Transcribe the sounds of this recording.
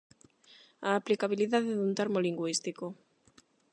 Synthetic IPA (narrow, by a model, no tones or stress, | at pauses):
aːplikaβ̞iliðaðeðunt̪eɾmoliŋɡwist̪iko